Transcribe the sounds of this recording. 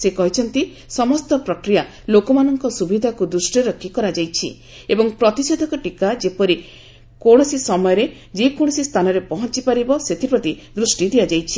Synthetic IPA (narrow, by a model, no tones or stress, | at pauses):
sekɔɦit͡ʃʰɔnt̪i | sɔmɔst̪ɔpɾɔkɾija | lokɔmanɔŋkɔsubid̪ʱakud̪ɾusʈiɾɔkʰːikɔɾad͡ʒajt͡ʃʰḭ | ebɔŋpɾɔt̪isod̪ʱɔkɔʈikad͡ʒepɔɾi | koɽ̃ɔsisɔmɔjɔɾe | d͡ʒekoɽ̃ɔsist̪ʰanɔɾepɔɦɔnt͡ʃipaɾibɔset̪ʰipɾɔt̪id̪ɾusʈid̪ijad͡ʒajt͡ʃʰi̥